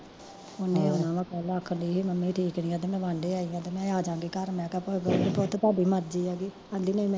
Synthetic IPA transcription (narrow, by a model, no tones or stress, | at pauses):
ʊnẽːʊnãːʋãːkəlaːkʰːəɳdiːɦiːməmːiːʈʰiːknĩːãːt̪eːmɛ̃ːʋãːɳɖeːaːiːãːt̪eːmɛ̃ːaːd͡ʒãːɡeːkəɾmɛ̃ːkəpoɡəʈot̪ːt̪aːɖiːməɾd͡ʒiːaːɡiː | ãnd̪iːnəĩːmɛ̃ː